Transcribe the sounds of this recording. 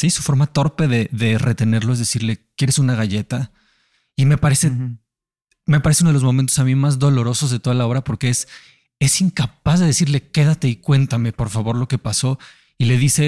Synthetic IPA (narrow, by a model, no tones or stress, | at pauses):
sisu̥fo̞ɾmat̪o̞ɾpe̞ðe̞ðe̞re̞t̪e̞ne̞ɾlo̞ezðesiɾle̞kjeɾesunaɣ̞aʝe̞t̪a | ime̞paɾe̞se | mepaɾeseunoelozmo̞mẽnt̪o̞samimazðo̞lo̞ɾo̞so̞zðet̪o̞ðalaoβɾapo̞ɾkees | e̞siŋkapazðe̞ðe̞siɾle̞ke̞ðat̪e̞ikwe̞nt̪ame̞po̞ɾfaβo̞ɾloke̞paso̞ | ile̞ðise̞